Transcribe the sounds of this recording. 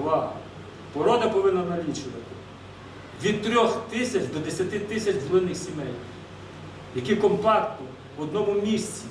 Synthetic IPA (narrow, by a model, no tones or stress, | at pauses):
ʋɑɐ | pɔɾɔd̪ɐpɔʋɪnːɐnɐlʲit͡ʃɪʋɐt̪ɪ | ʋʲid̪̚t̪ɾʲɔxt̪ɪsʲɐt͡ʃd̪ɔd̪esʲɐt̪ɪt̪ɪsʲɐt͡ʃzɔlˠɪnɪxsʲimɛj | jɐkʲikɔmpɑkt̪ɔ | ʋɔd̪̚nɔmʊmʲisʲt͡sʲi